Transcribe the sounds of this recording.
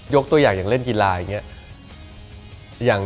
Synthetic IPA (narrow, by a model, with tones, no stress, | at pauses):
jo˦˥k̚t̪u˧ɐjaː˨˩ŋjaː˨˩ŋle˥˩nki˧laː˧jaː˨˩ŋi˦˥ɐ | jaː˨˩ŋ